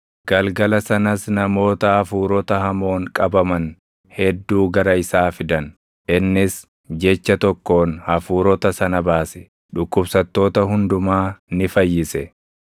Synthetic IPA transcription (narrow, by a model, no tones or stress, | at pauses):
ɡ̥ɐlɡɐlɐsɐnɐsnɐmo̞ːt̪ɐhɐfuːɾɔt̪ɐhɐmo̞ːŋkʼɐbɐmɐn | hɛd̪ːuːɡɐɾɐɪsaːfɪd̪ɐn | ʔɪnːɪs | d͡ʒɛt͡ʃːɐt̪ɔkːo̞ːnhɐfuːɾɔt̪ɐsɐnɐbaːsɛ̥ | ᶑʊkːʊbsɐt̪ːo̞ːt̪ɐɦʊnd̪ʊmaːnɪfɐjːɪsɛ